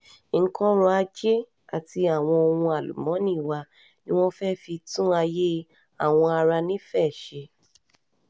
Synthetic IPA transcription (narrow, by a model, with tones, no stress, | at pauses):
kɔ˦ɾ̃ũ˧a˧d͡ʒe˦ | a̰˨ti˧a˨w̃ɔ̃˧o˧wũ˧a˨lṵ˨mɔ̃˨˦nĩ˦˨wa˧ | nĩ˦w̃ɔ̃˦fɛ˦fi˧tũ˦a˧je˦ | a˦˨w̃ɔ̃˧a˧ɾa˧nĩ˦fɛ˦˨ʃe˧